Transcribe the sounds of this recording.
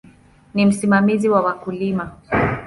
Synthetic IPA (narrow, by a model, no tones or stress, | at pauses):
nim̩simamiziwawakulima